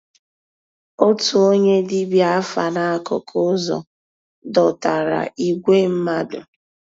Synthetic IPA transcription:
o˦tu˨o˦ɲe˦di˦bja˦fa˨na˦a˦kɔ̰˨kʰʊ˦zɔ̰˨ | dɔ˨ta˨ɾa̰˨i˦˨ɡʷe˦m̩˦ma˦dʊ̰˨

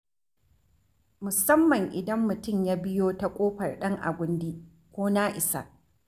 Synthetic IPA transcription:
mʊ˨sɐ˦mːɐ˨ŋʔɪ˨dɐ˦mːʊ˨tʊ˦˨mjaː˦bɪ˦joː˦ta˦kʷʼoː˦ɸɐ˨rɗɐ˦ŋʔa̰˨ɡʷʊ˦ndiː˦ | kʷoː˦naː˦ʔɪ˨sa̰˦ʔ

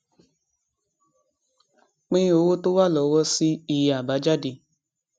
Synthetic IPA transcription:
k͡pĩ˦o˨˦wo˦to˦wa˦lɔ˨˦wɔ˦si˦i˨ja˨ba˨˦d͡ʒa˦di˨

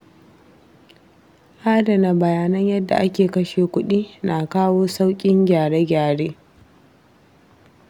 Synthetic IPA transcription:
ʔaː˦dɐ˨na˨bɐ˨jaː˦nɐ˦ɲjɐ˦dːa̰˨ʔa˦kʲeː˨kɐ˦ʃeː˨kʷʊ˦ɗiː˦na˨kaː˦woː˦sa˦wkʲʼɪ˦ŋɡʲaː˨ɽeː˦ɡʲaː˨ɽeː˦

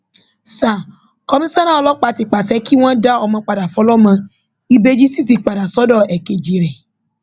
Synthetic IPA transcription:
sa˨ | kɔ˧mĩ˦sã˦nã˦ɔ˧lɔ˦k͡pa˧ti˨k͡pa˨sɛ˧˦ki˦w̃ɔ̃˦da˦ɔ˧mã˧k͡pa˨da˨fɔ˨˦lɔ˦mã˧ | i˧be˧d͡ʒi˦si˦˨t̬i˨k͡pa˨da˨sɔ˦dɔ˦˨ɛ˨ke˧d͡ʒi˧ɾɛ˨

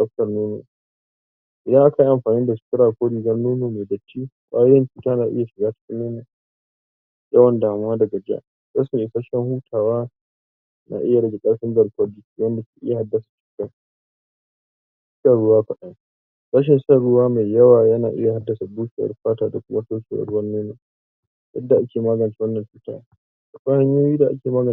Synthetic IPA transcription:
kɐ˦ɸtɐ˨rnuː˦nṵ˨ | ʔɪ˨dɐ˦ŋʔa˦ka˨i˦ʔa˨mɸaː˨niː˦da˨ʃɪ̥˨kʲɪ˦ɽaː˨kʷoː˦ɽiː˨ɡɐ˦rnuː˦nuː˨me˨dɐ˨t͡ʃːiː˦kaː˦jɪ˦nt͡ʃuː˨taː˦naː˨ʔɪ̰˦ja˨ʃɪ˨ɡaː˦tḁ˨˦ɸɪ˦lːeː˦na˨ | jɐ˦wɐ˨ndaː˨mʊ˦waː˦dɐ˨ɡɐ˨d͡ʒa̰˦ʔ | za˦smi˦˨ʔe˨saː˦ʃɛ˦ŋhuː˦tʰaː˨waː˦ | nʔa̰ː˨ʔɪ˦ja˨ɽɐ˦ɡʲe˨kʼɐ˦ɽɸɪ˦ndɐ˨lkɔ˦bɪ˦ki˨wɐ˦nda˨skʲːʔɪ̰˦ja˨ha˦dːɐ˨sḁ˨t͡ʃu̥ː˦ka˦ | saː˦˨ɽʊ˦waː˦ɸɐ˨ɗa˦ŋ | saː˦ʃ̬ɛ˨nʃaː˦ɽʊ˦waː˦ma˨jjɐ˦waː˨jɐ˦naː˨ʔɪ˦ja˨ha˦dːɐ˨sa˨buː˦ʃe˨wɐ̰˨rɸaː˦taː˨da˨kʷʊ˦ma˦soː˦kʲḛ˨ɐ̰˨rwɐ˦nːuː˦na˨ | jɐ˦dːa˨ʔa˦kʲeː˨maː˦ɡɐ˨nt͡ʃi˦wɐ˦nːɐ˨nɸu˦ta̰ː˦ | ʔa˨kʷa˦ha˦ɲjoː˦jiː˦da˨ʔa̰˦kʲeː˨maː˦ɡɐ˨

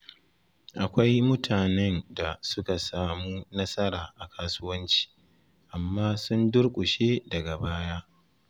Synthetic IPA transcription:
ʔa˨kʷa˦jmʊ˦tʰaː˨nɛ˦nda˨sʊ˦ka˨saː˦muː˦nɐ˦sɐ˦ɾaː˨ʔa˨kʰaː˦sʊ˦wɐ˦nt͡ʃi̥˨ | ʔa˨mːaː˦sʊ˦ndʊ˦rkʷʼʊ˨ʃeː˦dɐ˨ɡa˨baː˦jaː˦

